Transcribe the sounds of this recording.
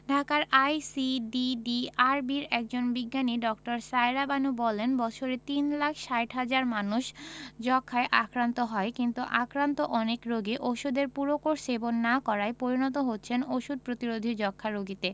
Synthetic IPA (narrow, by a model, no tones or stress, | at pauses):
ɖʱakaɾʔajsiɖiɖiaɾbiɾɛk̚d͡ʑonbiɡːaniɖɔk̚ʈaɾsajɾabanubɔlenbɔt͡ɕʰoɾet̪inlakʰʃajʈɦad͡ʑaɾmanuʃd͡ʑɔkʰːaeʔakɾant̪oɦɔekint̪uʔakɾant̪oʔɔnekɾoɡiʔoʃud̪eɾpuɾokoɾʃebonːakɔɾaepoɾinɔt̪̬oɦotːɕʰenoʃud̪̚pɾot̪iɾod̪ʱid͡ʑɔkʰːaɾoɡit̪e